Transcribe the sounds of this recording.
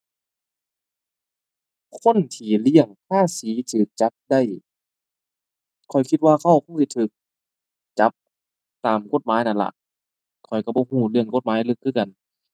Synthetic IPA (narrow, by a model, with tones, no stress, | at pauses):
kʰo˧˥˨nt̪ʰiː˧˩li˧˥˩əŋpʰaː˥˨siː˨˦t̪ʰɯː˨˩k̚t͡ɕa˧˦˥p̚da˧˥˩j | kʰɔ˨˩jkʰi˧t̪̚waː˧kʰa˧˩wkʰo˧˥˨ŋsi˧t̪ʰɯː˧˦k̚ | t͡ɕa˧˦p̚ | t̪aː˨˩mko˧˩t̪̚maː˨˦jna˧˩nla̰˧ʔ | kʰɔ˨˩jka˧˩bɔː˧˦huː˧˩lɯ˧˩əŋko˧˥t̪̚maː˨˦jlɯ˧˩kʰːɯː˧˩ka˨n